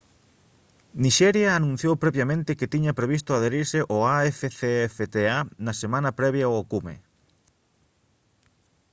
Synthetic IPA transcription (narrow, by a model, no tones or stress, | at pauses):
niʃɛɾjaːnũn̟θjowpɾɛβjamẽnt̪ɪket̪iɲɐpɾeβist̪ʊaðeɾiɾseʔoaɛfeθeɛfet̪eanɐsemãnɐpɾɛβjaookumḛ